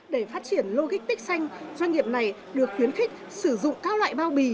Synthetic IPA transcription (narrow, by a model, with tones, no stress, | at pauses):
ɗe˧˩faː˦˥t̚t͡ɕi˧˩ənlo˧ɣi˦˥k̚t̪ï˦˥k̟̚sa˧jŋ̟zwa˧jŋ̟ŋi˨˩əp̚na˨˩j | ɗɨ˨˩ək̚xwi˨˦ənxï˦˥k̚ | sɨ˧˩zʊ̰˧˨ŋ͡mkaː˦˥wlwa̰ː˧˨jɓaː˧wɓi˨˩